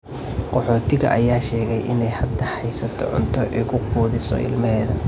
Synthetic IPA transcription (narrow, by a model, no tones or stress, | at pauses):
qɔħɔːt̪ʰɪɣɐ̰ʔɐjaːʃɛːɣɛjʔɪnɛjhɐd̪ɐħɑjsɐt̪ʰɔ̰ʕʊ̰nt̪ʰɔʔɛːkʰʊquːðɪsɔ̰ɪ̰lmɐɦɛːðɐ